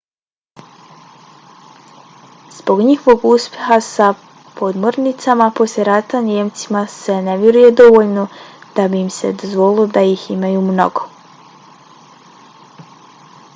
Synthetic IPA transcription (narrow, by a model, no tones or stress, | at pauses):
z̥bo̞ɡɲixoʋo̞ɡuspʲjeɦasa | po̞d̪mo̞ɾnit̪samapo̞slʲeɾat̪anjemt̪simase̞ne̞ʋjeɾuje̞d̪o̞ʋo̞ʎnod̪̥abiːmse̞̰d̪o̞zʋo̞lɪlod̪ajiximajumno̞̰ɡo